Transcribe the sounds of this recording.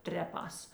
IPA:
ˈtʲrʲæːˌpɑːs

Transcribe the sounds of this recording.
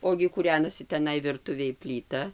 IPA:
ˈoːɡʲɪ kuːˈrʲæːnɐsʲɪ tʲɛˈnɐɪ ʋʲɪrˈtʊʋʲeːj pʲlʲiːˈtɐ

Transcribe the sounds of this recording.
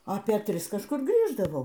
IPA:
ˈɑːpʲeː ˈtʲrʲɪs kɐʃˈkʊr ˈɡrʲiːʒdɐʋɐʊ

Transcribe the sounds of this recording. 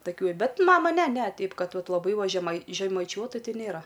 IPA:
tɐˈkʲuː ɪ ˈbʲɛt ˈmɑːmɐ nʲɛ nʲɛ ˈtʲɛɪp ˈkɐt ˈʋɐt lˠɐˈbɐɪ ʋɐ ʒʲɛmɐɪ ʒʲɛmɐɪˈt͡ʃʲuɔtʊ ˈtʲɪ ˈnʲeːrɐ

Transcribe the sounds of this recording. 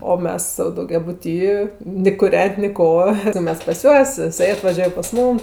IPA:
oː ˈmʲɛs sɐʊ dɐʊɡʲɛˈbʊtʲiː nʲɪ kʊˈrʲɛnʲtʲ nʲɪ ˈkoː tɐɪ ˈmʲɛs pɐs ˈjuɔs jɪˈsɐɪ ɐtʋɐˈʒʲuɔj pɐs ˈmuːm

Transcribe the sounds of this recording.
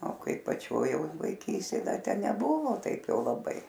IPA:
oː ˈkɐɪ pɐˈt͡ʃʲoːj jɛʊ ʋɐɪˈkʲiːsʲtʲeːj ˈdɐ ˈtʲɛ nʲɛˈbʊʋoː ˈtɐɪp ˈjɛʊ lˠɐˈbɐɪ

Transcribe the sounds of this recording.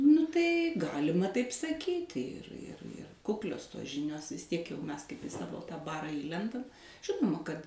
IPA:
nʊ ˈtɐɪ ˈɡɑːlʲɪmɐ tɐɪp sɐˈkʲiːtʲɪ ɪr ɪr ɪr ˈkʊklʲoːs toːs ˈʒʲɪnʲoːs ʋʲɪs ˈtʲiɛk ˈmʲɛs kɐɪp ɪ ˈsɑːʋoː tɑː ˈbɑːrɑː ˈiːlʲɛndɐm ˈʒʲɪnoːmɐ kɐt

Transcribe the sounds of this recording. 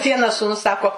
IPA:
ˈʋʲiɛnɐs suːˈnʊs ˈsɑːkoː

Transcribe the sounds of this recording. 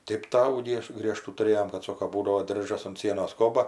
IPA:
ˈtʲeːp ˈtɑːʋuː ˈɡʲiɛʃ ˈɡrʲiɛʃtuː tʊˈrʲeːjoːm kɐt ˈsoːkoː ˈbuːdɐʋoː ˈdʲɪrʒɐs ʊnt ˈsʲiɛnoːs ˈkoːbɐ

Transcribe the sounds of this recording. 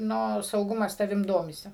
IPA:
ˈnʊ sɐʊˈɡʊmɐs tɐˈʋʲɪm ˈdoːmʲɪsʲɪ

